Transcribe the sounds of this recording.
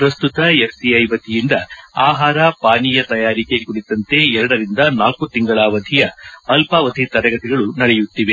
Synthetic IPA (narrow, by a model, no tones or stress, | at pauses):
pɾɐst̪ut̪ɐepsiɐjbɐt̪ːijind̪ɐaːɦaːɾɐpaːnijɐt̪ɐjaːɾike̞kuɽit̪ɐnt̪e̞ɛɾɐɽɐɾind̪ɐnaːlkut̪iŋɡɐɭaːʋɐd̪ʱijɐːlpaʋɐd̪ʱit̪ɐɾɐɡɐt̪iɡɐɭunɐɽɛjut̪ːiʋe